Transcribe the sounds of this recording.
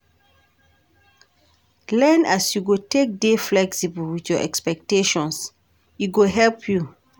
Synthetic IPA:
lɛ̃nasjuɡotek̚deflɛksibəlwiθjɔʔɛ̰kspɛk̚teʃɔ̃ns | jiɡoɦɛlpʰju

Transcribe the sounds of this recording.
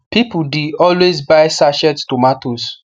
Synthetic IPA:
pipudiɔlwezbaɪsaʃɛtstomatos

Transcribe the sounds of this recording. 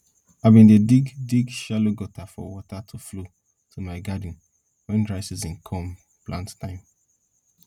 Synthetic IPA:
aɪbĩndediɡdiɡʃaloɡɔtafɔ̰wɔtatʰuflo | tʰumaɪɡad̩̃n̩ | wɛ̃ndɹaɪsizĩnkʰɔ̃m | plãnttãɪ̃m

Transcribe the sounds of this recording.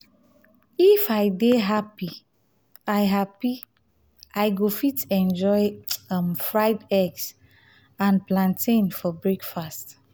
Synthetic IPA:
ifaɪdeɦapi | aɪɦapi | aɪɡofitɛ̃nd͡ʒɔɪmfɹaɪdɛks | ãnplãntʰĩnfɔbɹekfast

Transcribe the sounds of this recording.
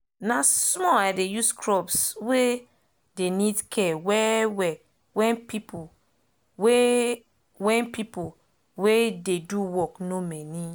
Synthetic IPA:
nasmɔaɪdejuskʰɹɔbswe | denidkʰɛwɛwɛ | wɛ̃npipo | we | wɛ̃npipo | wededuwɔknomɛni

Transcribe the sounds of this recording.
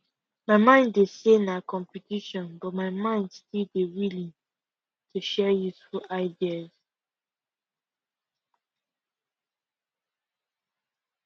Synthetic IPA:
maɪmãɪ̃nːesenakʰɔ̃mpitiʃɔ̃nbɔt̚maɪmãɪ̃ndstildewilĩn | tʰuʃɛjuθɹuʔaɪdiaz̥

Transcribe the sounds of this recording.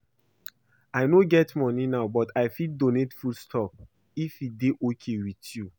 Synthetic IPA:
aɪnoɡɛtmɔninaʊbɔtʰaɪfidonetfulstʰɔp̚ | ifideʔokʰewitju

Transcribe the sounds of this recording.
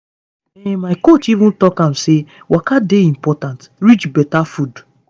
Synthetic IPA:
emaɪkot͡ʃivũn̩tɔkãmse | wʔakadeĩm̩pɔtãnt | ɾit͡ʃbɛtafud

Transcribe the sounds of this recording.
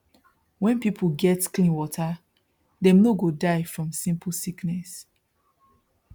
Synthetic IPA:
wɛ̃npipʰuɡɛtklĩnwɔtʰa | dɛ̃mnoɡodaɪfɹɔ̃msĩmp̩siknɛs

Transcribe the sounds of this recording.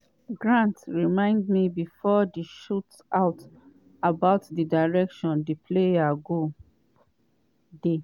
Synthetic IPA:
ɡɹãntɹimãɪ̃ndmibifɔdiʃut | aʊt | abaʊtdidaɪɹɛkʃɔ̃ndipʰlejaɡo | de

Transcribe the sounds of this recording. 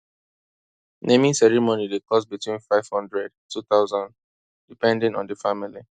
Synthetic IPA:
nʔemĩsɛɹimonidekʰɔsbitwĩnfaɪv̥hɔ̃ndɹɛdtʰːuθaʊzɔ̃nd | dipɛ̃ndĩnɔ̰̃ndəfamili

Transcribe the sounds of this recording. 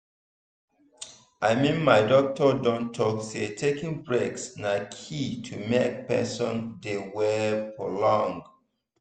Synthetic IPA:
ʔaɪmĩnmaɪdɔk̚tɔdɔ̃ntʰːɔksetʰekĩŋbɹeksnakʰitʰumek̚pɛ̰sɔ̃ndewɛpʰɹolɔ̃ŋɡ

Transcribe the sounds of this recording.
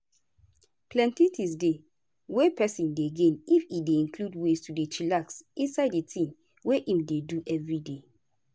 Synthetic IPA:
plɛ̃ntĩtʰis̬de | wepɛsĩndeɡẽnifideĩnkludwestudet͡ʃilaksĩnsaɪditʰĩm | weʔĩmdeduʔɛvɹide

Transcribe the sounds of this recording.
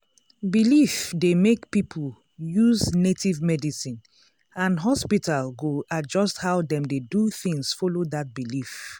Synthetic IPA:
bilifdemekpipʰul | juznetivmɛdisĩn | ãnɦɔspitalɡoad͡ʒɔsthaʊdɛ̃mdeduθĩŋsfolodat̚bilif

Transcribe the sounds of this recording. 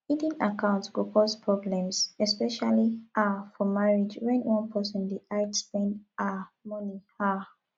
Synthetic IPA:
idĩnakãʊ̃ntɡokʰɔspʰɹɔblɛ̃msɛspɛʃaliʔafɔmaɹid͡ʒwɛ̃nwɔ̃npɜsɔ̃ndiʔaɪtpɛ̃namɔniha

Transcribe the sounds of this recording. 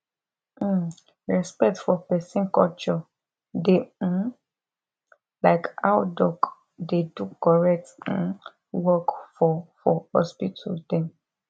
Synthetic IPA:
ɹɛspɛk̚tfɔpɛsĩnkɔlt͡ʃɔ | de | laɪkaʊdɔk | dedukɔɹɛk̚t̩ | wɔkfɔfɔhɔ̰spitʰṵdɛ̃m

